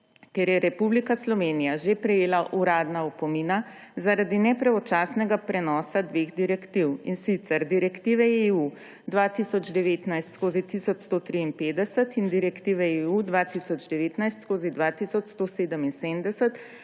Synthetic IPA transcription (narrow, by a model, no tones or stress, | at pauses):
keɾjɛɾɛpublikaslɔʋenijaʒepɾɛjeːlaʔuɾaːd̪naɔpɔmina | zaɾad̪inɛpɾɛɔt͡ʃaːsnɛɡapɾɛnɔːsad̪ʋeːɣd̪iɾɛkt̪iwinsit̪sɛɾd̪iɾɛkt̪iːʋɛeu | d̪ʋaːt̪isɔd͡ʒd̪ɛʋeːt̪najst̪skoːzit̪isɔt͡ʃst̪ot̪ɾiːnpeːd̪ɛsət̪ind̪iɾɛkt̪iːʋɛeud̪ʋaːt̪isɔd͡ʒd̪ɛʋeːt̪najst̪skoːzid̪ʋat̪isɔt͡ʃst̪oseːd̪əminseːmd̪ɛsət̪